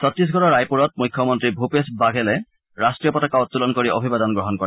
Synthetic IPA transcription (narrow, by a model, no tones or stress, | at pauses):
sɔt̪ɹis̬ɡʱɔɹɔɹajpuɹɔt̪̚mujkʰːjɔmɔntɹibʱupesbaɡʱelɛ | ɹasʈɹijɔpɔtakaʊt̪ːulɔnkoɹiʔɔbʱibad̪ɔnɡɹɔɦɔnkɔɹɛ